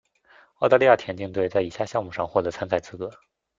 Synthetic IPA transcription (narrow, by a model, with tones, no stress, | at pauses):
ʊt̪a˥˧li˥˧ja˥˩t̪ʰjɛ˧˥nt͡ɕi˥˧ŋt̪we˥˧ɪt͡sa˥˩ɪi˨˩ɕja˥˧˩ɕjɑ˥˧ŋmu˥˩ʂɑ˥˧ŋxwɔ˥˩t̪ɤ˧˥t͡sʰa˥nt͡sa˥˩ɪt͡sʰɹ̩˧˥kɤ˧˥